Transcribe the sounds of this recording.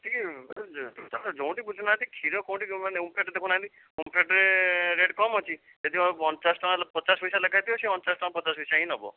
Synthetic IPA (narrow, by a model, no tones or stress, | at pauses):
t̪i | t̪it̪ad͡ʒõw̃ʈibud͡ʒʱɔnãt̪ikʰiɾɔkɔ̃w̃ʈianeumpʰeʈɾd̪ekʰunaɦt̪i | umpʰeʈɾeɾeɖkɔmɔt͡ʃʰi | t̪et̪ʰiɔɔnt͡ʃasʈɔ̃alpət͡ʃasʋisaləkʰajt̪ioseɔnt͡ʃasʈɔ̃ãpət͡ʃasʋisaɦĩnɔbɔ̰